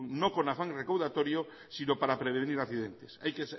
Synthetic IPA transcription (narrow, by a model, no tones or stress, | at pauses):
ŋnõŋkonafaŋrekawðat̪oɾjo | sinopaɾapɾeβ̞eeniɾakθiðent̪esajkes